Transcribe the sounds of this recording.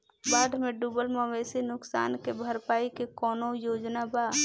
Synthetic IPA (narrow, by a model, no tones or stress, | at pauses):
baːɖmẽɖuːbəlmãʋeːsenʊksa̰ːnkebʱəɾpaːikekɔːnojoːd͡ʒnabaː